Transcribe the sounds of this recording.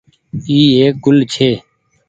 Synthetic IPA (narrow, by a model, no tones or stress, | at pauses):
iːeːk̚ɡʊlt͡ʃʰeː